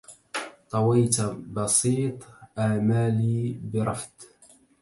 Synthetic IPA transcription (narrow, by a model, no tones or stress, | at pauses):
t̪ˤɑwajt̪abɑsiːt̪ˤʔaːmaːliːbɪɾˤɑfd̪